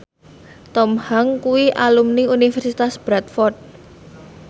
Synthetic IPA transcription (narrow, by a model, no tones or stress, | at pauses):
t̪ɔmhaŋkuwiʔalumniunifɛrsit̪asb̥ɾat̪̚fɔrt̪̚